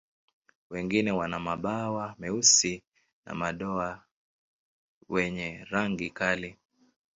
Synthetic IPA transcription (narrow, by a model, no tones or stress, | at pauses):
wɛŋɡinɛwanamaɓawamɛusi | na̰maɗɔa | wɛɲɛɾaŋɡikali